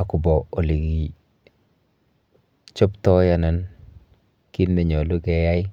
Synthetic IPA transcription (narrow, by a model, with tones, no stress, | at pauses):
a˨kʊ˨bɔ˨o˨li˨ɡi˨ | t͡ʃɔ˦ptɔ˦ja˨na˨n | ki˦ndɛ˨ɲɔ˨lu˦kɛ˨ja˦jɪ˦